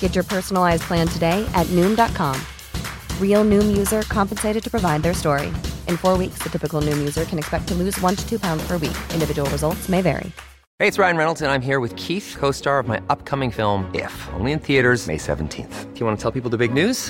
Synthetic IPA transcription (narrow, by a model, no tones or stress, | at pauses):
ɡ̥ɛt͡ʃə˞pʰɜ˞sn̩l̩ˠaɪzpʰl̥æ̃ntʰɨdeɪʔɨtⁿnʉ̃mdɑt̚kʰɑ̃m | ɹilˠnʉ̃mjʉzə˞kʰɑ̃mpɨnseɪɾɨd̚tʰɨ̥pʰɹ̥ɨvaɪd̪̚ðə˞stɔɹḭʔɨ̃nfɔɹwiksðɨtʰɪpɨkl̩ˠnʉ̃mjʉzə˞kʰɨ̃nɨkspɛk̚tʰəlʉzwʌ̃ntʰɨ̥tʰʉpʰãʊ̃ndz̥pʰə˞wḭkʔɪ̃ndɨvɪd͡ʒəwl̩ˠɹəzʌlˠtsmeɪvɛ̰ɹḭ | heɪɨtsɹaɪɨ̃nɹɛnl̩ˠtɨ̃nãɪ̃mɦiɹwɨð̥kʰiθkʰoʊstɑɹʌvmaɪʔʌp̚kʰʌmɪ̃ŋfɪlˠmɪ̰fõ̰ʊ̃nliɨ̃nθiɨɾə˞zmḛɪsɛ̰ṽn̩tʰḭ̃nθfjɨwɑ̃nətʰɛlˠpipl̩ˠðəbɪɡ̚nʉz̥